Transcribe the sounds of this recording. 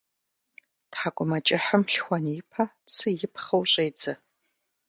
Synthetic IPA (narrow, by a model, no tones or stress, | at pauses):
tħakʷʼʊmɐt͡ʃʼɪħəmɬxʷɐnjɪpʰasɨjɪpχɐwɕʼejd͡zɐ